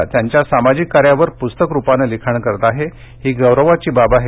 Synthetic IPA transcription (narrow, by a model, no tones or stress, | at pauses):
at̪jaɲt͡ɕjasamad͡ʑikːaɾjaʋəɾpust̪əkɾupanəlikʰəɳkəɾt̪aɦe | ɦiːɡəwɾəʋat͡ɕiːbabaɦe